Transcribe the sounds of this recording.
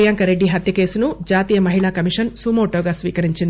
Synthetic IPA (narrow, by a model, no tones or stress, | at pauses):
jaːŋkɐɾeɖːiɦɐt̪ʰjɐke̞ːsunud͡ʒaːt̪iːjɐmɐɦiɭaːkɐmiʂɐnsuːmoːʈoːɡaːsʋḭːkɐɾiɲt͡ʃind̪